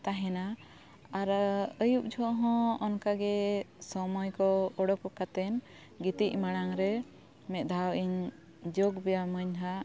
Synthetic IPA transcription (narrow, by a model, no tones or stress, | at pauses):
t̪aɦɛna | aɾəjup̚d͡ʒʱɔʔɦɔ̃ɔnkaɡɛsɔmɔjkɔɔɽɔkɔkat̪ɛn | ɡit̪ic̚ˀmaɽ̃aŋɾɛ | mɛt̪̚ˀd̪ʱawʔiɲ | d͡ʒoɡbɛjaməɲɦa